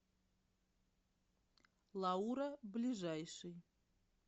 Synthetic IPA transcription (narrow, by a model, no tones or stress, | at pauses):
lˠauɾablʲiʐajʂɨj